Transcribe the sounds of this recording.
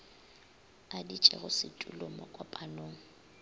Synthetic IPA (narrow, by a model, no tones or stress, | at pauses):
adit͡ʃʼɛ̰ɣʊsɪtʼulomɔkʼwapʼanoːŋ̩